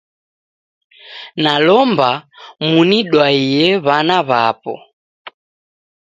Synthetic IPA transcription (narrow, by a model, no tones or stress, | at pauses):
nalɔmbamuniɗwaijɛβanaβapɔ̰